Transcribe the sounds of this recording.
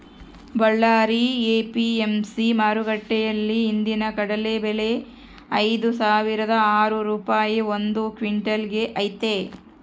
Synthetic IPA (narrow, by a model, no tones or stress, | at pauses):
bɐɭːaːɾieːpiemsimaːɾuɡɐʈːɛjɐlːiːnd̪inɐkɐɽɐlebele̞ | ɐjd̪usaːʋiɾɐd̪ɐaːɾuɾuːpaːjiond̪ukʋiɳʈɐlɡe̞ʔɐjt̪e